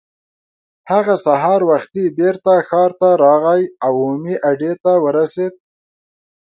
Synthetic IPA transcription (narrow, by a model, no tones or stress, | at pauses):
haɣasaɦɑɾwaxt̪ibeɾt̪axɑɾt̪aɾɑɣajawomiʔaɖet̪awəɾased̪̚